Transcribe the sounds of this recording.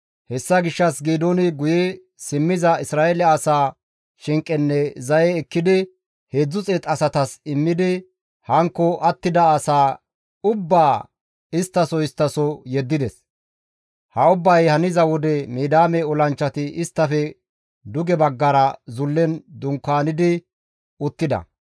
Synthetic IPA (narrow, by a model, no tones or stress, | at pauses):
hɛsːɐɡɪʃːɐsɡeːd̪onɪɡʊjɛ | sɪmːɪzɐɪsɾaːɛlɛɐsaː | ʃɪŋkʼːɛnːɛzɐjɛːkːɪd̪ɪ | he̞ːd͡zːʊt͡sʼeːt̪ʼɐsɐt̪ɐsɪmːɪd̪ɪ | hɐŋkːɔʔɐt̪ːɪd̪ɐːsaː | ʊbːaː | ɪst̪ːɐsɔɪst̪ːɐsɔjɛd̪ːɪd̪ɛs | hɐʊbːɐjhɐnɪzɐwɔd̪ɛmiːd̪aːmɛɔlɐnt͡ʃːɐt̪ɪɪst̪ːɐfɛ | d̪ʊɡɛbɐɡːɐɾɐzʊlːɛnd̪ʊŋkːaːnɪd̪ɪ | ʊt̪ːɪd̪ɐ̰